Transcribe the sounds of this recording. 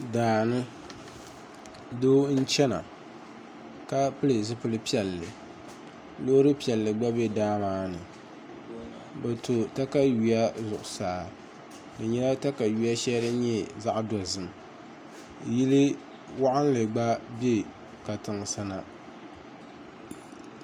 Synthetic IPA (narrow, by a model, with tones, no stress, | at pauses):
daː˨nɨ˦ | doː˦n̩˦t͡ʃɛ˦na̰˨ | ka˦pɨ˦lɨ˨zɨ˦pɨ˦lɨ˦pi˦ɛ˨lːɨ˨ | lo˦ɾɨ˦pi˦˨ɛ˨lːɨ˨ɡ͡ba˦bɛ˦daː˦maː˦nɨ˨ | ba˨to˨ta˦ka˦ju˨ja˦zʊ˨ʔʊ˨saː˨ | nɨ˨ɲɛ˦la˦ta˦ka˨ju˨ja˦ʃɛ˦ɾɨ˦ɲɛ˦za˦ʔdɔ˨zɨ˦m˨ | ji˦lɨ˦ | wa˦ʔa˦n˦lɨ˨ɡ͡ba˦be˦ | ka˨tɨ˨ŋsa˦na˨